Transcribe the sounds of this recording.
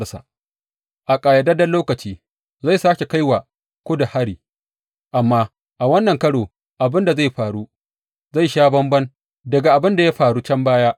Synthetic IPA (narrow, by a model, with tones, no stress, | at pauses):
sa̰˨ | ʔa˨kʼaː˨jɐ˨dɐ˦dɐ˦nlːoː˦kɐ˨t͡ʃiː˦ | za˦˨saː˦kʲe˨ka˦jwa˨ | kʷo˦da˨ha˦ɽiː˨ | ʔa˨mːaː˦ | ʔa˨wɐ˦nːɐ˨ŋkɐ˦ɽoː˨ | ʔa˨bɪ˦nda˨za˦˨jɸaː˨ɽu˦ | za˦˨jʃaː˦bɐ˦mbɐ˦n | dɐ˨ɡa˨ʔa˨bɪ˦nda˨ja˦ɸaː˨ɽuː˦t͡ʃɐ˦mbaː˦jaː˦